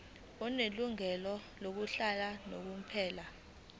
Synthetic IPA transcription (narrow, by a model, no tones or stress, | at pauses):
ɔneluŋɛlɔlok̬uɬalanok̬um̩pʰɛːla